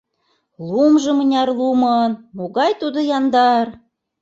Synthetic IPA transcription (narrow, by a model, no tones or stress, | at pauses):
lumʒɤ̆mənʲɑrlumɤnmoɣɑjt̪ud̪ŏjɑnd̪ɑr